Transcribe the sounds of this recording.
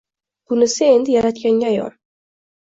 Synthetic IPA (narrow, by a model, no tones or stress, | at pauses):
bʊnɪsɪe̞nd̪ɪjaɾat̪kʲaŋɡʲaːjɒ̰ɾ